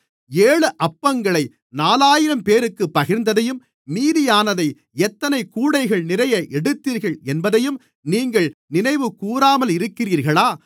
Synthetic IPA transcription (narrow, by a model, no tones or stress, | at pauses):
eːɭɯʔɐpːɐŋɡɐɭɐɪ | naːlaːjɪɾɐmpeːɾɯkːɯpːɐɣɪɾnd̪ɐðɐjɯmː | iːðɪjaːnɐðɐɪ | ɛt̪ːɐnɐɪkuːɽɐɪɣɐɭnɪɾɐjɐʔɛɽɯt̪ːiːɾɣɐɭɛnbɐðɐjɯm | niːŋɡɐɭnɪnɐɪʋɯkuːɾaːmɐlɪɾɯkːɪriːɾɣɐɭaː